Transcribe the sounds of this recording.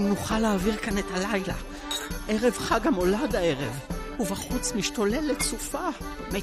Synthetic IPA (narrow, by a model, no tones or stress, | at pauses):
nuχaleːviʁkane̞talajla̰ | ʔeʁe̞vχaɡamo̞ladae̞ʁe̞vhuvaχut͡smiʃtole̞let͡sufa | me